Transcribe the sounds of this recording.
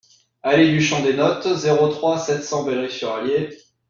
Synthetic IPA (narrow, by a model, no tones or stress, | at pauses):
aled̪yʃɑ̃d̪enɔt̪zeʁot̪χwasɛt̪sɑ̃bɛlʁisyʁalje